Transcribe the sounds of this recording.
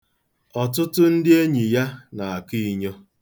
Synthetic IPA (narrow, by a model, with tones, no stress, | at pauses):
ɔ˨tʊ˦tʊ˦n̩˦dɪ˦e˦ɲi˨ja˦na˨a˨ki˦i˦ɲo˦